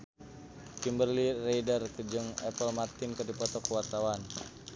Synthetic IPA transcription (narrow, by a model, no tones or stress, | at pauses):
kimbərlireidərkəd͡ʒəŋɛpəlmat̪inkərdipɔt̪ɔkəwart̪awan